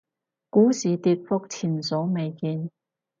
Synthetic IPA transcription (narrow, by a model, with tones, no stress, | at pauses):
kuː˨˥siː˨t̪iː˧t̚fʊ˥k̚t͡sʰiː˨˩nsɔ˨˥wme˨˧jkiː˧n